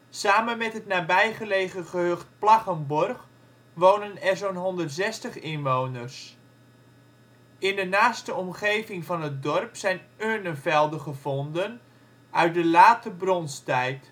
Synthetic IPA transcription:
saːmənmɛtɦətnaːbɛjχəleːχəχəɦøχt̚plaχəmbɔrχ | ʋoːnənɛrzonɦɔndərtsɛstəχɪnʋownərs | ɪndənaːstəɔmχejvɪŋvɑnət̚dɔrpsɛjnøːnəfɛlˠdəχəvɔndən | œɥt̚dəlaːtəbrɔnstɛjt

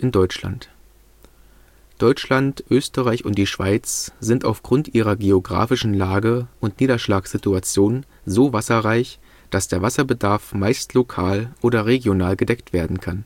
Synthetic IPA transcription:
ʔɪndɔʏt͡ʃla̰nt | d̥ɔʏt͡ʃlantʔøːstəʁaɪçʊntd̥iːʃv̥a̰ɪt͡sz̥ɪnta̰ʊfɡ̥ʁʊntʔiːʁɐɡeoɡʁa̰ːfɪʃn̩laːɡəʔʊntniːdɐʃlaːksz̥ituat͡sjoːn | zoːvasɐʁaɪç | d̥asd̥eːɐvasɐbədaɐfmaɪstlokʰaːlʔoːɾɐʁeɡjonaːlɡədɛktv̥eːɐdn̩kʰan

